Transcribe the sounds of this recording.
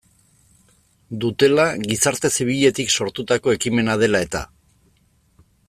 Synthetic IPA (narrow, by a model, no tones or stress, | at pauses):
d̪ut̪e̞laɣisaɾt̪e̞siβ̞iʎe̞t̪ikso̞ɾt̪ut̪ako̞e̞kime̞nað̞e̞lae̞t̪a̰